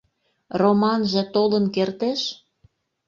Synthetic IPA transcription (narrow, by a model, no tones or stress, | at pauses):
romɑnʒĕt̪olənkert̪eʃ